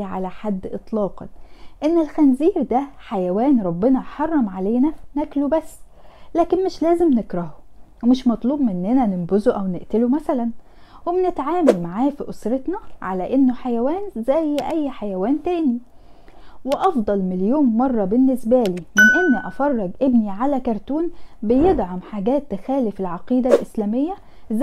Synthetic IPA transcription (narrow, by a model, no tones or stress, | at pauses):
ʕa̰læħad̪ːʔet̪ˤlɑːqɑ̰nʔenːelxænziːɾd̪æħajæwæːnɾˤɑbːenɑħɑrˤːɑmʕaleːnænæklubæsː | læːkenmɪʃlæːzemnekɾˤɑhowemɪʃmɑt̪ˤluːbmɪnːenænɪmbozoʔæwneʔt̪elomæsælæn | wemnet̪ʕaːmælmaʕaːfiʔosɾet̪nɑʕalæʔenːoħajæwæːnzæjːʔæjːħajæwæːnt̪æːni | weʔɑfd̪ˤɑlmeljoːnːɑrˤːɑbenːesbæːliːmenʔenːiʔɑfɑrˤːɑɡʔebniʕalækɑɾˤt̪uːnbejed̪ʕamħaɡæːt̪ːæxæːlefelʕɑqiːd̪ælʔeslæːmejːæ | z